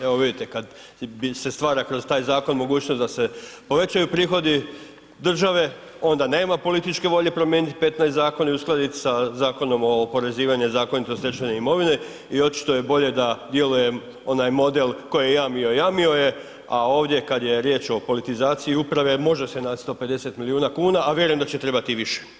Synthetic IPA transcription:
e̞ʋo̞ʋid̪it̪e̞kad̪ | bise̞st̪ʋaːɾakɾo̞zt̪aːjzaːko̞nmo̞ɡuːt͡ɕnosd̪ase̞po̞ʋe̞t͡ɕajupɾiːxo̞d̪i | d̪r̩ʒaʋe̞ | o̞nd̪ane̞ːmapo̞lit̪it͡ʃke̞ʋo̞ʎe̞pɾo̞mjenit̪i̥pe̞t̪najst̪zaːko̞naiusklad̪it̪i̥sazaːko̞no̞mo̞ːpo̞ɾe̞ziːʋaɲezaːko̞nit̪eset͡ʃene̞imo̞ʋine̞ | io̞t͡ʃi̥t̪o̞je̞bo̞ʎe̞d̪ad̪je̞luje̞m | o̞naːjmo̞d̪e̞lˠko̞jijejamio̞jamio̞je | ao̞ːʋd̪je̞kad̪je̞ɾje̞ːt͡ʃo̞po̞lit̪izaːt̪sijiupɾaʋe̞mo̞ʒe̞senaːsi̥t̪o̞pe̞d̪e̞se̞t̪miliuːnakuːnaʔːʋje̞ɾuimd̪at͡ɕet̪ɾe̞bat̪iʋiʃe̥

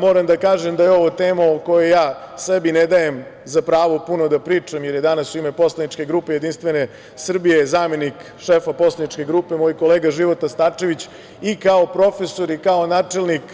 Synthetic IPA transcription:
mo̞ːɾamd̪akaːʒemd̪ajeo̞ʋot̪eːmo̞okojejaːsebined̪ajemzapɾaːʋo̞puno̞d̪apɾiːt͡ʂamjeɾje̞d̪anasuime̞po̞slˠaniʈ͡ʂkʲe̞ɡɾuːpejed̪inst̪ʋe̞ne̞ | sr̩bije̞zaːme̞nik | ʃeːfapo̞slˠaniʈ͡ʂkʲe̞ɡɾuːpe̞moːjko̞leːɡaʒiʋo̞t̪ast̪at͡ʂeʋit͡ɕ | ikaopɾo̞fe̞so̞ɾikao̞naːt͡ʂe̞lˠnik

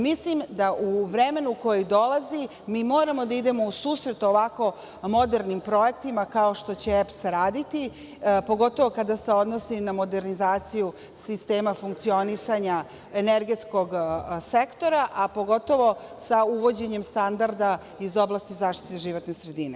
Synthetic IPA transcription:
mislimd̪aʔuʋɾeme̞nukojod̪o̞lazi | miːmo̞ːɾamo̞d̪aid̪e̞mo̞usuːsɾe̞t̪ooʋako̞ | mo̞d̪eɾnimpɾo̞e̞kt̪imakao̞ʃt̪o̞t͡ɕeepsɾaːd̪it̪i | po̞ɡo̞t̪o̞ʋo̞kad̪ase̞o̞d̪nosinamo̞d̪e̞ɾnizaːt̪siju | sist̪e̞ːmafuŋk̚t̪sio̞nisaɲa | eneɾɡe̞t̪sko̞ɡse̞kt̪o̞ɾaʔapo̞ɡo̞t̪o̞ʋo̞sauʋo̞d͡ʑe̞ɲemst̪and̪aɾd̪a | izo̞blˠaːst̪izaːʃt̪it̪eʒiʋo̞t̪ne̞sɾe̞d̪inḛ

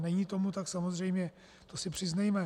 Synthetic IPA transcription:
nɛɲiːt̪o̞mut̪aksamozr̝ɛjmɲɛ | t̪osɪpr̥ɪznɛjmɛ

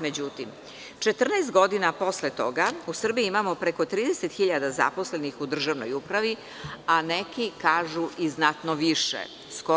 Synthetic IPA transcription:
med͡ʑut̪im | t͡ʃe̞t̪r̩naːst̪̚ɡo̞d̪inapo̞slet̪o̞ɡausr̩biiimamo̞pɾeko̞t̪ɾiːd̪eset̪xiʎad̪aza̰po̞sle̞nixud̪r̩ʒaʋno̞̰jupɾaʋi | ane̞kikaːʒuʔiznat̪noʋiʃḛ | sko

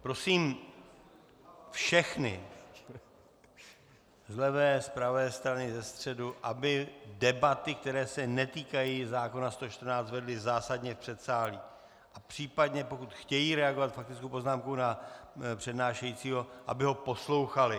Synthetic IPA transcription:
pɾo̞siːm | fʃɛxnɪ̰ | zlɛvɛːspɾavɛːst̪ɾanɪzɛst̪r̝̥ɛduʔabɪdɛbat̪ɪk̚t̪ɛɾɛːsɛnɛt̪iːkajiːzaːko̞nast̪ot͡ʃt̪rɾnaːt͡st̪vɛdlɪzaːsadɲɛfpr̝̥ɛt̪saːliː | ʔapr̥iːpadɲɛpo̞kut̪xcɛjiɾɛaɡo̞vat̪fak̚t̪ɪt͡skowpo̞znaːmkownapr̝̥ɛdnaːʃɛjiːt͡siːɦo̞ʔa̰bɪɦo̞po̞slo̞wxalɪ

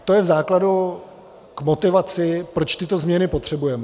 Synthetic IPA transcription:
t̪o̞jɛvzaːkladu | kmo̞t̪ɪvat͡sɪpɾo̞t͡ʃt̪ɪt̪o̞zmɲɛnɪpo̞t̪r̝̥ɛbujɛmɛ

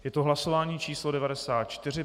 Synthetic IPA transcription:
jɛt̪oɦlaso̞vaːɲiːt͡ʃiːslodɛvadɛsaːt̪̚t͡ʃt̪ɪr̝ɪ

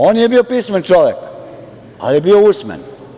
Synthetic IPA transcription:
oːnjebiopisment͡ʂoʋek | a̰lje̞biousmḛn

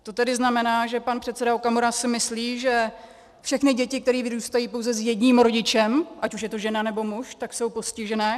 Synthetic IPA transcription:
t̪o̞t̪ɛdɪznamɛnaːʒɛpanpr̥ɛt̪sɛdaokamoɾasɪmɪsliːʒɛ | fʃɛxnɪɟɛcɪk̚t̪ɛɾiːvɪɾuːst̪ajiːpo̞wzɛzjɛɟɲiːmɾo̞ɟɪt͡ʃɛmʔacuʃ̬jɛt̪o̞ʒɛnanɛbo̞muʃt̪akso̞wpo̞scɪʒɛnɛː

